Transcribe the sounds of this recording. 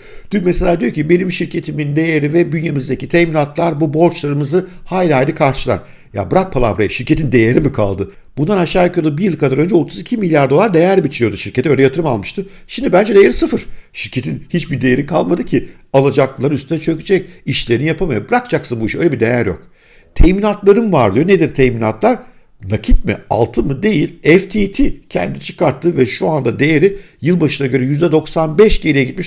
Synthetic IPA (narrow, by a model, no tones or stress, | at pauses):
d̪̥ymmese̞lʲaːd̪ijocʰibe̞nimʃiɾcʰe̞t̪ʰimind̪e̞jeɾivɛbynjemizd̪ecʰit̪ʰɛminat̪lˠaɾbubo̞ɾt͡ʃlˠaɾɯmɯzɯhaːjlʲaːjlʲikʰaɾʃɯlˠa̰ɾ | ja̰bɯɾak̚pʰalˠa̰bɯɾajʃiɾcʰe̞t̪ʰind̪e̞jeɾimikʰa̰lˠd̪ɯ | b̥und̪anaʃːaːjakʰjlˠubijɯlˠkʰad̪aɾø̞nd͡ʒɛot̪ʰuzicʰimilʲjaɾd̪o̞lˠaɾd̪e̞jæɾbit͡ʃʰiɾijo̞d̪uʃiɾcʰet̪ɛøjlʲɛjat̪ʰɯɾɯmalˠmɯʃt̪ɯ | ʃimd̪ibænd͡ʒɛd̪ejeɾisɯfɯɾ̥ʃiɾcʰe̞t̪ʰinhit͡ʃbiɾd̪ejeɾikʰalˠmad̪ɯcʰi | alˠad͡ʒak̚lˠaɾɯnyst̪ʰynɛt͡ʃʰøcʰyd͡ʒɛciʃlʲe̞ɾinijapʰamajabɯɾakd͡ʒaksɯnbuiʃø̞jlʲeɛbid̪e̞̰jæɾjo̰k̚ | t̪ʰejminat̪lˠaɾɯnvaɾlˠɯjo̞ned̪iɾt̪ʰɛjminat̪lˠaɾ | nacʰit̪̚mɪ̰a̰lˠt̪ʰɯmɯd̪e̞jilʲɛft̪ʰit̪ʰicʰɛ̰nd̪it͡ʃʰɯ̥kaɾt̪ʰːɯvɛʃuand̪ad̪e̞jeɾijɯlˠbaʃɯnaɟø̞ɾɛjyzd̪ɛd̪o̞ksanbɛʃɟeɾʲijɛɟit̪miʃ